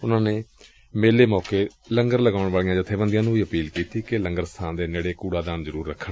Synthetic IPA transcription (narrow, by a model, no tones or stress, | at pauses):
ʊnãːneː | meːleːmɔːkeːləŋɡəɾləɡaːʊɳʋaːɭijãːd͡ʒɪt̪ʰːeːbənd̪iãːnũːʋiːəpiːlkiːt̪iːkɪləŋɡəɾst̪ʰãːnd̪eːneːɽeːkuːɽaːd̪aːnzəɾuːɾːəkʰːəɳ